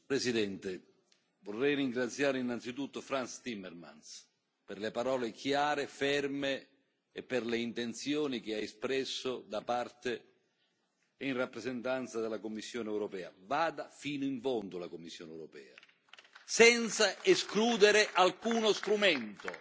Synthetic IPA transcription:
pɾesid̪ɛnt̪e | vorːɛjriŋɡɾat̪sːjaːɾeinːant̪sit̪ut̪ːʊfɾanst̪imːɛrma̰ns | perlepaɾɔːlekjaːɾefɛrmeː | pːɪrleint̪ent̪sjɔːnik̟ɪaespɾɛsːʊd̪apart̪ɪ | inrapːɾezent̪ant̪sad̪elːakomːisːjɔːnɛwɾɔpɛːa̰vaːd̪afiːnʊiɱfɔnt̪ʊlakomːisːjɔːnɛwɾopɛ̰ːa̰ | sɛnt̪saeskluːd̪eɾɪʔalkuːnost̪ɾumɛnt̪ʊ

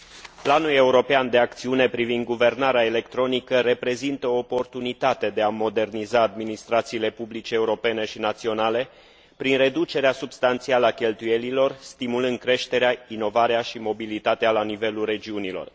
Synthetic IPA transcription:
planule̞uɾo̞peand̪e̞ak̚t̪siune̞pɾivind̪̚ɡuve̞rnaɾeaele̞kt̪ɾo̞nikəɾe̞pɾe̞zint̪əoːpo̞rt̪unit̪at̪e̞d̪e̞amo̞d̪e̞rnizaːd̪minist̪ɾat̪siːle̞publit͡ʃeːuɾo̞pe̞ne̞ʃinat̪sio̞nale̞ | pɾinre̞d̪ut͡ʃe̞ɾeasubst̪ant̪sialəakʲe̞lt̪uje̞lilo̞rst̪imulɨnd̪̚kɾe̞ʃt̪e̞ɾeaino̞vaɾeaʃimo̞bilit̪at̪ealanive̞lulre̞d͡ʒiunilo̞̰r

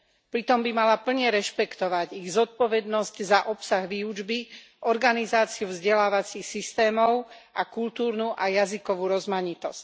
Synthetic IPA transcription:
pɾit̪ɔmbimalapl̩ɲɛɾɛʃpɛkt̪ɔʋaɟiɣzɔt̪̚pɔʋɛd̪nɔsczaʔɔpsaɣʋiːud͡ʒbi | ʔɔɾɡanizaːt͡siuvzɟɛlaːʋat͡sixsist̪ɛːmɔʊʔakult̪uːɾnuʔajazikɔʋuːɾɔzmaɲit̪ɔsc

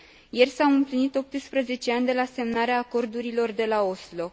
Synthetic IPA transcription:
je̞rsawɨmplinit̪o̞p̚t̪ɨspɾəze̞t͡ʃe̞anʲd̪e̞lase̞mnaɾeaːko̞rd̪uɾilo̞rd̪e̞lao̞slo̞

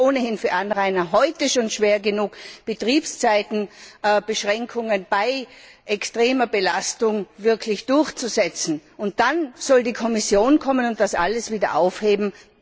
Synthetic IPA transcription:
oːnəhɪnfyːɐʔanʁaɪnɐɦɔʏtəʃoːnʃv̥eːɐɡənuːkb̥ətʁ̥iːpst͡saɪtn̩b̥əʃʁ̥ɛŋkʰʊŋənb̥aɪʔɛkstʁ̥eːmɐbəlastʊŋvɪɐkʰlɪçd̥ʊɐçt͡suzɛt͡sn̩ʊnt̚d̥anz̥ɔldiːkʰɔmɪsjoːnkʰɔmənʊnt̚d̥asʔa̰ləsv̥iːdɐʔaʊfheːbm̩

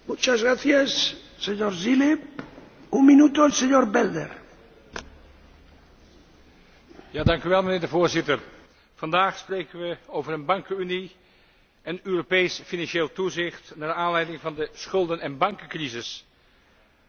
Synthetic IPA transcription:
mut͡ʃazɣɾaθjasː | eɲoɾzile | uŋminut̪oelseɲoɾbɛld̪ḛɾ | jaːdɑŋkyʋɛlˠmənɪːɹdəvoːɹzɪtəɹ | v̥ɑndaːχsprejkənʋəowvəɾənbɑŋkəyni | ənøːropejsfinɑnʃeːlˠtuzɪχtnaːdaːnlɛjdɪŋvɑndəsχɵlˠdənɛnbɑŋkəkrizɪs

